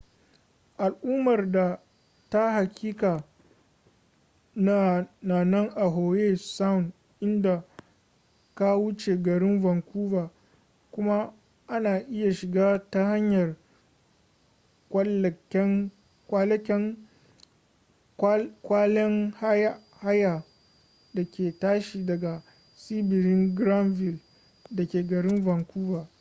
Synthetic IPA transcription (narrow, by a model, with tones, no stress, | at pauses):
ʔa˨lʔuː˦mɐ˨rda˨ | ta˦ha˨kʲiː˦kaː˨ | na˦na˨nɐ˦ŋʔa˨ɦoː˨jeː˦sa˦ʊ˨n | ʔɪ˦nda˨ | ka˦wu˦t͡ʃe˨ɡɐ˨ɾɪ˦nvɐ˨ŋkʷuː˦vaː˨ | kʷʊ˦ma˦ | ʔa˦naː˨ʔɪ˦ja˨ʃɪ˨ɡaː˦ta˦ha˦ɲjɐ˨r | kʷɐ˦lʲɛ˦ŋ | kʷa˦lkʲɛ˦ŋ | kʷaː˦lɛ˦ŋha˦ja˦ | ha˦ja˨ | da˨kʲeː˨taː˦ʃiː˨dɐ˨ɡa˨ | siː˦bɪ˨ɾɪ˦ŋɡɾa˦nvɪ˨l | da˨kʲeː˨ɡɐ˨ɾɪ˦mvɐ˨ŋkʷuː˦vaː˨